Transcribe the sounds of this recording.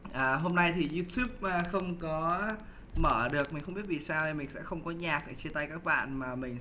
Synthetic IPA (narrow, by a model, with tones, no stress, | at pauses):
ʔəː˨˩ɦo˧mna˧jt̪ʰi˨˩zu˧t̪ʰju˦˥p̚ʔəː˧˩xə˧wŋ͡mkɔ˨˦ | məː˧˩ɗɨ˨˩ək̚mi̟˨˩xwŋ͡mɓi˦˥ət̚vi˨˩saː˧wɗe˨˩mï̟˨˩sɛ̰˧˥xə˧wŋ͡mkɔ˨˦ɲaː˨˩k̚ʔa˨˩t͡ɕi˧nt̪a˧jkaː˦˥k̚ɓa̰ː˧˨nmaː˨˩mï˨˩ŋ̟